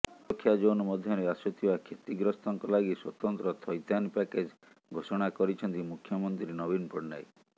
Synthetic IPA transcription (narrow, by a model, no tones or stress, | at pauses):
ɔkʰːjad͡ʒonɔmɔd̪ʱjɔɾeasɔt̪ʰibakʰet̪iɡɾɔst̪ɔŋkɔlaɡiswɔt̪ɔnt̪ɾɔt̪ʰɔjt̪anpaked͡ʒ | ɡʱosɔɽ̃akɔɾit͡ʃʰɔnt̪imukʰːjɔmɔnt̪ɾinɔbinpɔɽna̰j